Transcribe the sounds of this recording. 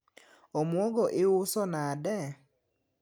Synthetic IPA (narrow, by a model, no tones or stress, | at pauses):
omwɔɡɔʔɪʊsɔnadɛ